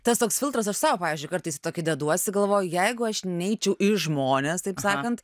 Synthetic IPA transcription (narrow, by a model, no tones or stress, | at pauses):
t̪ɐst̪oːksfʲɪlˠt̪ɾɐsɐʃsɑːʋopɑːʋʲiːzʲd͡ʒʊɪkɐɾt̪ɐɪsʲɪt̪oːkʲɪd̪ʲɛd̪uɔɐt̪sʲɪɡɐlˠʋoːjʊjɛɪɡʊɐʃnʲɛɪt͡ʃʲɛʊʔɪʒmoːnʲeːst̪ɐɪpsɑːkɐnt̪